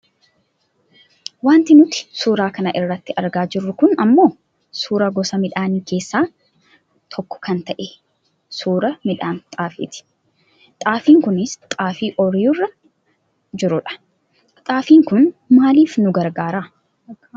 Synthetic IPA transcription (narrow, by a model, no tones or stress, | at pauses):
waːnt̪ɪnʊt̪ɪ̥suːɾaːkɐnɐʔɪrːɐt̪ːɪʔɐɾɡaːd͡ʒɪrːʊkʊnɐmːo̞ː | suːɾɐɡɔsɐmɪᶑaːniːke̞ːsːaː | t̪ʰɔkːɔ̥kɐnt̪ɐʔɛ | suːɾɐmɪᶑaːnt̪ʼaːfḭːt̪ɪ̥ | t̪ʼaːfiːŋkʊnɪst̪ʼaːfiːʔɔɾjʊrːɐ | d͡ʒɪɾʊᶑɐ̥ | t̪ʼaːfiːŋkʊnmaːliːfnʊɡɐɾɡaːɾaː